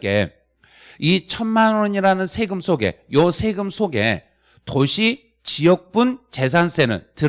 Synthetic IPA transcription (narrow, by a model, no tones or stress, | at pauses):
k͈e̞̰ | it͡ɕʰʌnmanwʌɲiɾanɯnsʰe̞ɡɯmsʰoɡe̞̰jʌsʰe̞ɡɯmsʰoɡe̞̰ | toɕʰi | t͡ɕijʌk̚p͈unt͡ɕe̞s̬ʰans͈ʰe̞nɯ̰ntɯ